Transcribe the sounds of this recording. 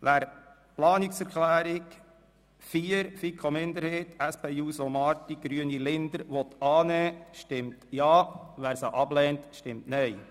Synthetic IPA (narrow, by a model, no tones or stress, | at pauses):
ʋæːɾ | plɑːnɪksɛɾkʰlæːɾik | fiːɾfikʰomɪnd̪əɾheːtæspʰeːuːsomɑːtiɡ̥ɾyənilɪnd̪əɾʋɔt̪ɑːnɛːʃtɪmtjɑːʋæːɾsaʔɑblɛːntʃtɪmtnœɪ